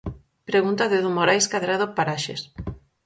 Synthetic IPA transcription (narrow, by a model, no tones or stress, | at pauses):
pɾeɣunt̪aðɪðumoɾajskaðɾaðopaɾaʃḛs